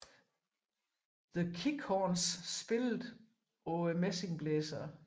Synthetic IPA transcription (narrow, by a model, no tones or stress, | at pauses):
ðəkʰikʰɒːnssb̥e̝lð̩ˠ | ɔəmese̝ŋb̥lɛːsɐ